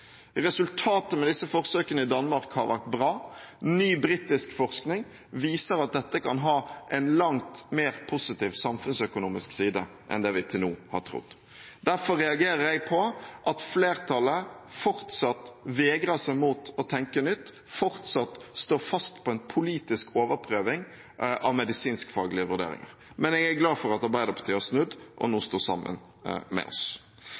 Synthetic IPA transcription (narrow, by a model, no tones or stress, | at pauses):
ʁɛsʉlt̪ʰɑːt̪əmɛd̪ɪsːəfɔʁsøːkənəɪd̪ɑnːmɑɾkhɑ̰ɾʋæ̰ʁt̪̚bʁɑːnyːbɾiːt̪ɪskfɔʁsknɪŋ | ʋiːsəɾɑt̪̚d̪ɛt̪ːəkʰɑnɦɑːʔɛɪnlɑŋt̪meːɾpʰʊsɪt̪iːʋsɑmfʉnsœkʊnuːmɪsksiːd̪ə̰ | ʔɛ̰nd̪ɛʋɪt̪ʰɪlnuːhɑ̰tʈ̪ʰɾʊ̰d̪ | d̪æɾfɔɾɛɑɡeːɾəɾjæɪpʰɔʔɑt̪fleːɾt̪ʰɑləfɔɾt̪sɑt̪ʋeːɡɾəʂæɪmuːt̪ɔt̪ʰɛŋkənʏt̪ː | fɔɾt̪sɑt̪st̪oːfɑst̪pʰɔɛnpʰʊliːt̪ɪskʰoːʋəɾpʰɾøːʋɪŋ | ʔɑʋmɛd̪ɪsiːnskfɑːɡlɪəʋʉɾɖ̪ḛːɾɪ̰ŋə̰ɾ | mɛnɛɡæɾɡlɑːfɔɾɑt̪ɑɾbæɪd̪ɑpʰə̥t̪ʰyːæsnʉd̪ʔɔ̰nuːst̪oːsɑ̰mːə̰n | mɛ̰ɔ̰s